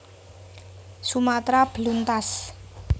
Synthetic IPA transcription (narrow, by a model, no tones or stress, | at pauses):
sumat̪ɾab̥lunt̪as